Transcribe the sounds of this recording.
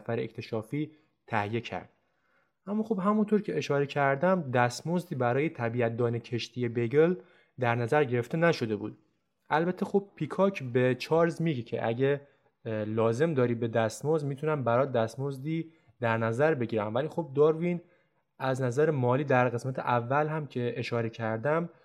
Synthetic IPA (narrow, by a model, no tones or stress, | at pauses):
sfæɾeekcʰt̪ʰe̞ʃɒːfiː | t̪ʰæhijecʰæ̰ɾd̪̥̚ | ʔæmːɒːxobɦæmunt̪ʰoɾcʰe̞eʃɒːɾe̞cʰæɾd̪æmd̪æst̪mozd̪iːbæɾɒːje̞t̪ʰæbiːæt̪̚d̪ɒːnecʰe̞ʃt̪ʰijebeɡel | d̪æɾnæzæɾɟe̞ɾe̞ft̪e̞næʃo̞d̪e̞bṵːd̪̥̚ | ʔælbæt̪ʰːexob̚pʰːikʰɒcʰbet͡ʃʰɒːɾzmiɟecʰḛʔæ̰ɟe | lɒːze̞md̪ɒːɾiːbe̞d̪æst̪mozd̪miːt̪ʰunæmbæɾɒːd̪æst̪mozd̪iː | d̪æɾnæzæɾbe̞ɟiːɾæmvæliːxob̚d̪ɒːɾvin | æznæzæɾemɒːliːd̪æɾɣesmæt̪ʰeʔævːælɦæmcʰe̞eʃɒːɾe̞cʰæɾd̪æm